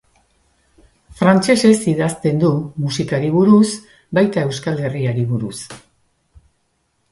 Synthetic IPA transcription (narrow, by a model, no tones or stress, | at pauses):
fɾant͡ʃe̞se̞siðast̪e̞nd̪umusikaɾiβuɾus | bajt̪ae̞wskale̞riaɾiβuɾus